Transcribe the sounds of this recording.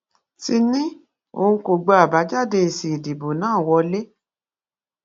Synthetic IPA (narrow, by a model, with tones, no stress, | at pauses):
ti˧nĩ˦ | o̰˧˨ũ˧˦ko˨ɡ͡ba˧a˨ba˨˦d͡ʒa˦˨de˧˨si˨i˨di˨bo˨nãː˦˨wɔ˧le˦